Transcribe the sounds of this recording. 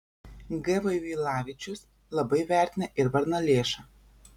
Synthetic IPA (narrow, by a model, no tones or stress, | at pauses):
ɡɛʋɐɪʋʲiːlˠɑːʋʲɪt͡ʃʲʊs | lˠɐbɐɪʋʲæˑɾʲt̪ʲɪnʲɛʔɪɾʋɐɾnɐlʲeːʃɐ